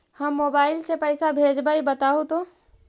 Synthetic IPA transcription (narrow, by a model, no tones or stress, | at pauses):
həmːoːbaːɪlsepəɪsabʱeːd͡ʒbaːibət̪aːot̪o